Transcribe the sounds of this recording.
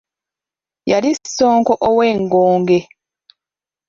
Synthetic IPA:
jalisːoːŋkoʔoweːŋɡoːŋɡe

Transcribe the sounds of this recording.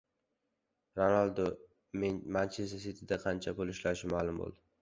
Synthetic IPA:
ɾonalˠd̪o | menmant͡ʃʰesasɪt̪ʰɪd̪aqʰɑnt͡ʃʰabolɪʃlaɾɪʃɪmalʊmbo̰lˠd̪ɪ

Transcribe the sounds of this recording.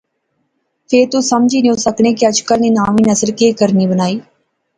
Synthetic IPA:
pʰeːɾt̪uːsəmd͡ʒiːneõsəkɳ̃eːkiəd͡ʒkəlneːnaːmiːnəsəɾkeːkəɾniːbənaːiː

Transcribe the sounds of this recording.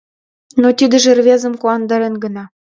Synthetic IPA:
not̪id̪ɘ̆ʒĕrvʲezə̆mkuɑnd̪ɑɾenɡɤ̆nɑ

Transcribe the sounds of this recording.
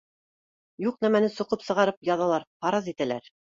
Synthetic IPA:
juqnæmænɘsŏqɤpsɤ̆ʁɑɾɤpjɑðɑlˠɑɾpɑɾɑzit̪ælæ̰ɾ

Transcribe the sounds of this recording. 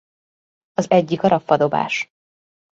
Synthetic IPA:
ɒzɛɟːikɒɾɒfːɒd̪o̞ba̰ːʃ

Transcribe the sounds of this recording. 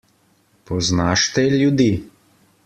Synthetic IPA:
pɔznaːʃt̪ɛljud̪i

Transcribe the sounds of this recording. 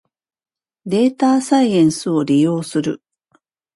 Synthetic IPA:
d̪e̞ːt̪aːsaiẽ̞ɰ̃sɨo̞ɾʲijo̞ːsɨɾɯ̟̰

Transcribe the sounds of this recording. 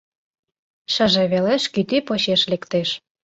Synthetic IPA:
ʃəʒeβeleʃkyt̪ipoɕeʃlekt̪eʃ

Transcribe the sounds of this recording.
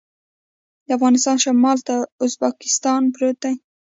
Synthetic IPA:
d̪əafɣɑnɪst̪ɑnʃamɑlt̪aʊzbakɪ̥st̪ɑnbɾot̪aj

